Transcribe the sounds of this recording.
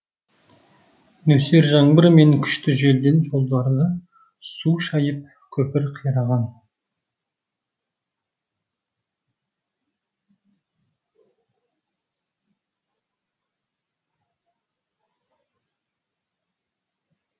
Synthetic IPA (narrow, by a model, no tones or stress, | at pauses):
nɵse̞ɾʒɑɴbəɾme̞ŋkʲʰʏ̥ʃt̪ɪʒe̞ld̪e̞nʒo̞lˠd̪ɑɾd̪ə | suʃɑjəp̚ | kʲʰɵpɪɾqʰijɾɑʁɑn